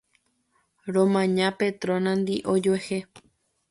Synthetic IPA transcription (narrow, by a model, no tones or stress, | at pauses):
ɾõmãɲãpet̪ɾõnãnd̪iʔod͡ʒoehe